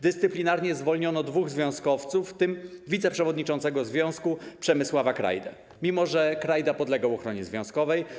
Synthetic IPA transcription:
d̪ɛst̪sɘplʲinaɾɲɛzvɔlɲɔnɔd̪vuɣzvʲjɔ̃skɔft̪suft̪ɘmvʲit̪sɛpʂɛvɔd̪ɲit͡ʂɔ̃nt̪sɛɡɔzvʲjɔ̃skupʂɛmɘswavakɾa̰jd̪ɛ̰ | mʲimɔʐɛkɾajd̪apɔd̪lɛɡawɔxɾɔɲɛzvʲjɔ̃skɔvɛj

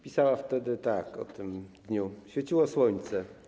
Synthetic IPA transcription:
pʲisawaft̪ɛd̪ɘt̪akɔ̰t̪ɘmd̪ɲuɕfʲet͡ɕiwɔswɔɲt̪sɛ

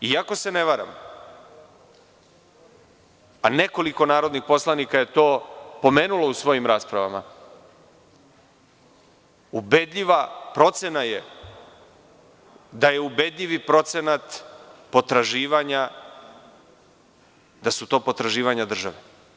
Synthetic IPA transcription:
iako̞se̞neʋaɾa̰m | ane̞ko̞liko̞naːɾo̞d̪nixpo̞slˠanikaje̞t̪o̞ːpo̞me̞ːnulˠousʋo̞jimɾaːspɾaʋama | ubed̪ʎiʋapɾo̞t̪senaje | d̪aje̞ube̞d̪ʎʲiʋipɾo̞t̪se̞nat̪po̞t̪ɾaʒiːʋaɲa | d̪asut̪o̞ːpo̞t̪ɾaʒiːʋaɲad̪r̩ʒaʋe

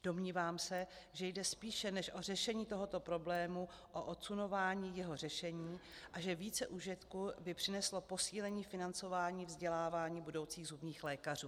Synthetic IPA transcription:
d̥o̞mɲiːvaːmsɛ | ʒɛjdɛspiːʃɛnɛʃʔo̞r̝ɛʃɛɲiːt̪o̞ɦo̞t̪o̞pɾo̞blɛːmu | ʔoʔot̪t͡suno̞vaːɲiːjɛɦo̞r̝ɛʃɛɲiːʔaʒɛviːt͡sɛʔuʒɪt̪kubɪpr̥ɪnɛslo̞po̞siːlɛɲiːfɪnant͡so̞vaːɲiːvzɟɛlaːvaːɲiːbudo̞wt͡siːɣzubniːxlɛːkar̝uː

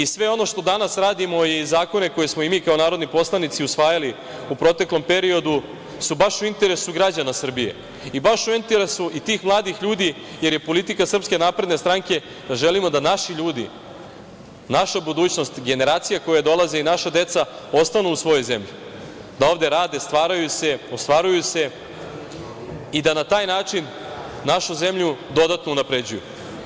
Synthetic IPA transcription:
isʋe̞o̞no̞ʃt̪o̞d̪anasɾaːd̪imo̞izaːko̞ne̞ko̞jesmo̞imiːkao̞naːɾo̞d̪nipo̞slˠanit̪siusʋaːjali | upɾo̞t̪e̞klo̞mpe̞ɾio̞d̪u | subaʃuint̪e̞ɾe̞suɡɾad͡ʑanasr̩bije̞̰ | ibaʃuint̪eɾe̞suit̪iːxmlˠaːd̪ixʎuːd̪i | je̞ɾje̞po̞lit̪ikasr̩pske̞naːpɾed̪ne̞st̪ɾaŋke̞ | d̪̥aʒe̞limo̞d̪anaʃiʎuːd̪ḭ | naʃabud̪uːt͡ɕno̞st̪ɡe̞ne̞ɾaːt̪sijako̞jad̪o̞lˠaze̞inaʃad̪e̞t̪sa | o̞st̪anuːsʋo̞jo̞jze̞mʎi | d̪ao̞ːʋd̪e̞ɾaːd̪e̞st̪ʋaːɾajuse̞o̞st̪ʋaɾujuse̞ | id̪anat̪aːjnaːt͡ʂinː | aʃuze̞mʎud̪o̞d̪at̪nounapɾe̞d͡ʑujṵ

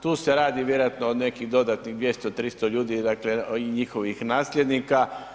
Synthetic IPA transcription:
t̪uːse̞ɾaːd̪iʋje̞ɾojat̪nood̪nekiɣd̪o̞d̪at̪niɣd̪ʋje̞st̪ot̪ɾist̪oʎuːd̪id̪akle̞ɲixoʋixnaːslʲed̪nika

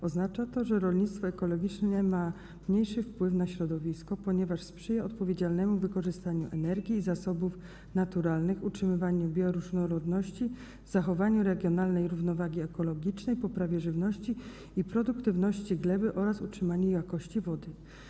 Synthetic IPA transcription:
ɔznat͡ʂat̪ɔʐɛɾɔlɲit̪st̪fɔɛkɔlɔɡʲit͡ʂnɛma | mɲejʂɘfpwɘfnaɕɾɔd̪ɔvʲiskɔpɔɲɛvaʂspʂɘjɛɔt̪pɔvʲjed͡ʑalnɛmuvɘkɔʐɘst̪aɲuʔɛnɛɾɡʲiːzasɔbuf | nat̪uɾalnɘxutʂɘmɘvaɲubʲjɔɾuʐnɔɾɔd̪nɔɕt͡ɕi | zaxɔvaɲuɾɛɡʲjɔnalnɛjɾuvnɔvaɡʲiɛkɔlɔɡʲit͡ʂnɛjpɔpɾavʲjɛʐɘvnɔɕt͡ɕi | ipɾɔd̪ukt̪ɘvnɔɕt͡ɕiɡlɛbɘʔɔɾasutʂɘmaɲujakɔɕt͡ɕivɔd̪ɘ

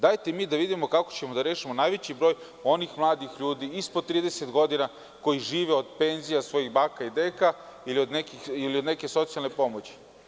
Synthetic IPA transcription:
d̪ajt̪emiːd̪aʋid̪imo̞kako̞̥t͡ɕemod̪aɾe̞ːʃimonaːjʋe̞t͡ɕibɾoj | o̞nixmlˠaːd̪ixʎuːd̪iispod̪t̪ɾiːd̪eset̪ɡo̞d̪ina | ko̞jiʒiːʋe̞o̞d̪pe̞nzijasʋo̞jiɣbaːkaid̪e̞kailio̞d̪ne̞kixiliod̪ne̞ke̞so̞t̪sijalˠnepo̞mot͡ɕi̥

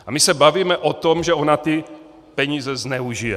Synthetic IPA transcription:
amisɛbaviːmɛʔot̪omʒɛonat̪ɪ | pɛɲiːzɛznɛuʒijɛ

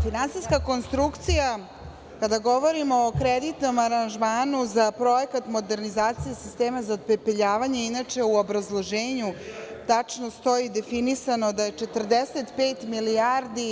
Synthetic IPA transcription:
finansijskako̞nst̪ɾukt̪sija | kad̪aɡo̞ʋo̞ɾimo̞ːkɾed̪it̪no̞maɾanʒmaːnuzapɾo̞jekat̪mo̞d̪e̞ɾnizaːt̪sijesist̪eːmazapepeʎaːʋaɲeinat͡ʂe̞uobɾazlˠo̞ʒeːɲut̪at͡ʂno̞st̪o̞id̪e̞finisano̞d̪aje̞t͡ʂe̞t̪r̩d̪eset̪peːt̪miliaɾd̪i

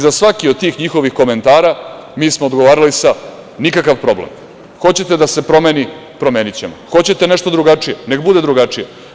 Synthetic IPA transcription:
zasʋakiod̪̚t̪iːxɲixo̞ʋixko̞me̞nt̪aːɾamiːsmoːd̪ɡoʋaːɾalisa | nikakaʋpɾo̞blḛm | xo̞t͡ɕe̞t̪e̞d̪ase̞pɾo̞meni | pɾo̞meːnit͡ɕemo̰xo̞t͡ɕe̞t̪e̞ne̞ʃt̪od̪ɾuɡat͡ʂije̞ne̞ɡbud̪ed̪ɾuɡat͡ʂije

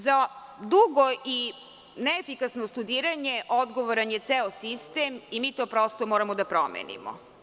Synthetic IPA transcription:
zad̪uɡoʔi | neefikasnost̪ud̪iːɾaɲeʔod̪ɡo̞ʋoɾanjet̪seːosist̪emimiːt̪oːpɾost̪omoːɾamod̪apɾomḛnḭmo̰

